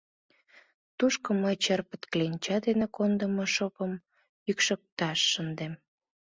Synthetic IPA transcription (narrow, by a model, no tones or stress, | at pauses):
t̪uʃkŏməjt͡ɕerpə̥̆t̪klenʲt͡ɕɑd̪enekond̪əmoʃopəm | jykʃə̆k̚t̪ɑʃːənd̪em